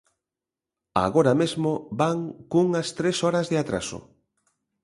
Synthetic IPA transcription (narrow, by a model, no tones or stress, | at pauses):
a̰ɣɔɾamezmobaŋkuŋɐst̪ɾesɔɾɐzðɪat̪ɾa̰sʊ̰